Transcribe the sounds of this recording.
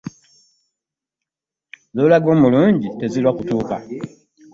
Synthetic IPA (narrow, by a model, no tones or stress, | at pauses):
zoːlaɡo̞ːmuluːɲɟite̞zilwakutuːka